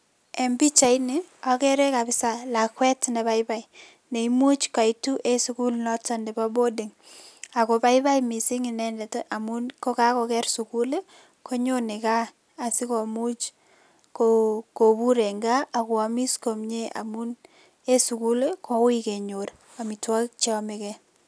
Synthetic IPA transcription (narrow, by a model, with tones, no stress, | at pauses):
e˨mbi˦t͡ʃa˨i˦ni˨a˦kɛ˦ɾe˦ka˨pɪ˦sala˨kwɛ˦tne˨ba˦ɪba˦i | ne˨imu˦t͡ʃka˨itu˦ʔe˦su˦ku˦lnɔ˦tɔ˦ndɛ˨pa˦bo˦di˨ŋ | a˨ko˨pa˦i˦ba˦jmi˨si˦ŋi˨nɛ˦ndɛ˨tʔa˨munko˦ka˦ko˨kɛ˦rsu˨ku˦le˦ | ko˦ɲo˦ne˨ka˦ | a˨si˦ko˨mu˦t͡ʃ | koko˨bu˦ɾe˨ŋɡaː˦˨kwa˨mi˦sko˨mɲe˦ʔa̰˨mu˦n | e˦su˨ku˦le˦kʰo˦wike˨ɲo˨ɾ | a˨mi˨twa˦kt͡ʃe˦ɔ˦mekɛ